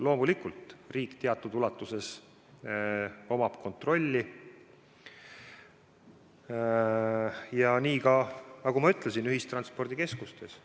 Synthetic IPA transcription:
lo̞ːmulikult̪riːkt̪e̞ɑt̪ːˑud̪ulɑt̪ːˑuse̞s | o̞mɑb̥ko̞nt̪ro̞lʲːi | jɑniːkɑnɑɡ̥umɑyt̪ˑlesinyɦist̪rɑnspo̞rd̪ike̞skust̪e̞s

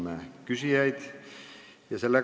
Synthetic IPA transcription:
mækysijæjd̪̥ | jɑselːe

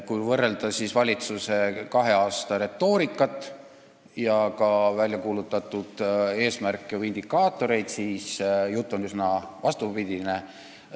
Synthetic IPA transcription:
kujvɤrːe̞ld̪̥ɑsisvɑlʲit̪suse̞kɑɦe̞ɑːst̪ɑɾe̞t̪ːo̞ːɾikːˑɑt̪ːˑ | jɑkɑvælʲjɑkuːlut̪ːˑɑt̪ːˑud̪̥e̞ːsmærkːˑeoind̪̥ikːɑːt̪ːˑo̞ɾe̞jd̪̥siːsjut̪ˑːo̞nysnɑvɑst̪ubid̪̥ʲine

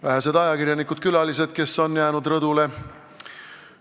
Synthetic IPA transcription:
væɦæsed̪ɑjɑkiɾjɑnikːˑud̪̥̚kylɑlise̞d̪̥̚ke̞sːo̞njæːnud̪rɤd̪ule̞

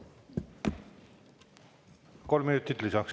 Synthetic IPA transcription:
ko̞lmiyt̪ːit̪lisɑks

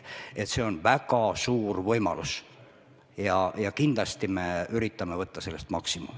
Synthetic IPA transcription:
et̪se̞o̞nvæɡɑsuːrvɤjmɑ̰lus | jɑjɑkind̪lɑst̪ime̞yɾit̪ːˑɑmevɤt̪ːɑselːest̪mɑksimṵ

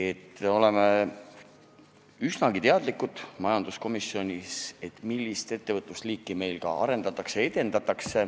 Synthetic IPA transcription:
e̞t̪ːo̞le̞me | ysnɑɡit̪e̞ɑd̪̥likːud̪̥mɑjɑnd̪̥usko̞misio̞nʲise̞t̪ːˑmilːist̪e̞t̪ːevɤt̪ːˑust̪liːkːˑime̞jlkɑ̰ɑ̰ɾe̞nd̪ɑt̪ːˑɑksee̞t̪e̞nd̪ɑt̪ːˑɑkse̞

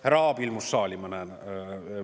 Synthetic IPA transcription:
hæɾɑːbilmusːɑːlʲimɑnɛn

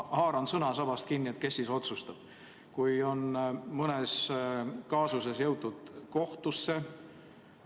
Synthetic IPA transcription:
hɑːɾɑnsɤnɑsɑb̥ɑst̪̚kinʲːie̞t̪̚ke̞sːiso̞t̪sust̪ɑb̥̚ | kujo̞nmɤnes | kɑːsus̬e̞sjɤwt̪ːˑud̪̥ko̞ht̪usːe̞

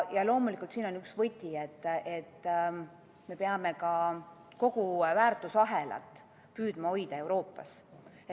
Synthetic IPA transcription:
jɑlo̞ːmulikːˑult̪siːno̞nyksvɤt̪ʲːiet̪ːe̞t̪ː | me̞peɑme̞kɑ | ko̞ɡ̥uvæːrt̪ːˑusɑɦelɑ̰t̪ːˑ | pyːd̪̥mɑo̞jd̪̥ɑe̞wɾo̞ːpːɑ̰s

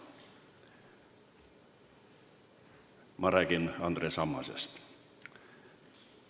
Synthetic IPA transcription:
mʔɑɾæːɡ̥inɑnd̪ɾeːsɑmːɑsḛst̪

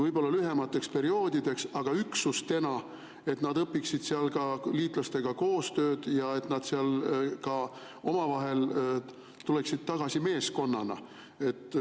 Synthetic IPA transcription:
vɤjbo̞lːɑlyɦe̞mɑt̪ːˑe̞kspe̞ɾio̞ːd̪id̪̥e̞ksɑɡ̥ɑyksust̪e̞nɑ | e̞t̪nɑd̪ɤpːiksid̪̥seɑlkɑliːt̪ˑlɑst̪e̞ɡ̥ɑko̞ːst̪ø̞ːd̪̥jɑe̞t̪ˑnɑd̪̥seɑlkɑ | o̞mɑvɑɦe̞l | t̪ule̞ksid̪̥̚t̪ɑɡ̥ɑsime̞ːsko̞nːɑnɑ̰ | e̞t̪ːˑ

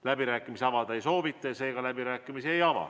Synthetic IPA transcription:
læbiɾæːkːˑimiseɑvɑd̪ɑejso̞ːvit̪ˑːɑjɑse̞ːɡ̥ɑlæbiɾæːkːˑimisiejɑvɑ̰

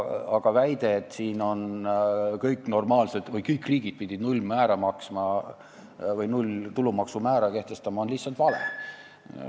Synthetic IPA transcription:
ɑɡ̥ɑvæjd̪̥e̞ːt̪siːno̞n | kɤjkːˑno̞rmɑːlsed̪̥vɤjkɤjkːˑriːɡ̥id̪̥̚pid̪̥ʲid̪nulʲmæːɾɑmɑksmɑ | vɤjnulʲt̪ulumɑksumæːɾɑke̞ht̪e̞st̪ɑmɑo̞nlihsːɑlt̪vɑlḛ

